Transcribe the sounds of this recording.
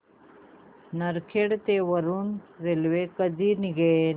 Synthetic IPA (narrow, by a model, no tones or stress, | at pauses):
nɐɾkʰeɽt̪ewɐɾunɾelwekəd̪iniɡe